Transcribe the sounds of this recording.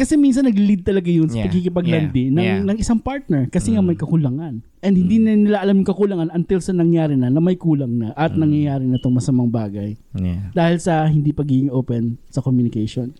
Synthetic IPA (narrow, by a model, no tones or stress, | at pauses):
kɐsɛmins̬ɐnːɐɡlid̪̚t̪ɐlɐɡajʊnsɐpɐɡ̚kikɪpɐɡ̚lɐnd̪ɪnɐŋnɐŋʔɪsaŋpaɹt̪̚nɛɹkɐsɛŋamɐjkɐkʊlaŋan | ʔɛnd̪̚hɪnd̪innɪlaʔɐlamjʊŋkɐkʊlaŋanɐnt̪ɪlsɐnɐŋjaːɾɪnɐnɐmɐjkuːlɐŋnɐʔɐt̪̚nɐŋjɐjaːɾɪnɐt̪oŋmɐsɐmaŋbaːɡɐjd̪aːhɪlsɐɦɪnd̪iːpɐɡiːɡɪŋʔowpɛnsɐkomjʊnɪkejʃon